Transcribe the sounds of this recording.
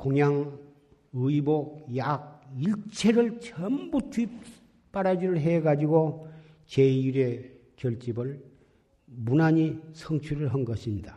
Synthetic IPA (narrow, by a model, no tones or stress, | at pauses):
koŋjaŋ | ɯibojak̚iɭt͡ɕʰeɾɯɭt͡ɕʰʌmbutʰwip̚ | p͈aɾad͡ʑiɾɯɭɦeɡad͡ʑiɡo | t͡ɕejuɾe | t͡ɕʌɭt͡ɕ͈ibɯɭ | munaɲisʰʌŋt͡ɕʰuɾɯɭɦʌnɡʌɕʰimɲida